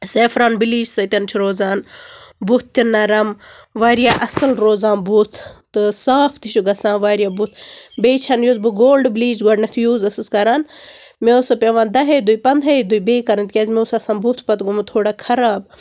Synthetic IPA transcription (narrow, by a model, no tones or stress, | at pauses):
seːfʰɾaːnbiliːd͡ʒsɐt̪ʲɐnt͡ʃʰiɾoːzaːnbut̪ʰːinːɐɾɐm | ʋaːɾijaʔɐsɨlɾoːzaːnbut̪ʰt̪ɨsaːpʰt̪iʃuɡɐsãːnʋaːɾjaːbut̪ʰbeːt͡ʃʰɐnjoːzbɨɡoːlɖbliːd͡ʒɡɐɖnɐt̪ʰjuːzɐsɨskɐɾaːn | mesopʲeʋaːnd̪ɐɦed̪ujpɐnd̪ʱɐjd̪ujbeːkɐɾɐnt̪ʲkʲɐːzmeusɐsaːnbut̪ʰpɐt̪ɡumut̪ʰoːɽaːkʰɐɾaːb̚